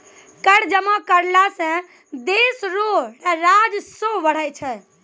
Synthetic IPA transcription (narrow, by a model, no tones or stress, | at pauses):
kəɽd͡ʒəmakəɾlasə̃ | d̪esɾoɾad͡ʒsõbəɽ̤ət͡ʃʰɛ